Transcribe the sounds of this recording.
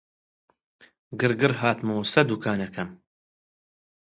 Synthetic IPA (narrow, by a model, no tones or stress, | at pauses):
ɡɨɾɡɨɾɦaːt̪musɐd̪ukʰaːnɐkʰɐm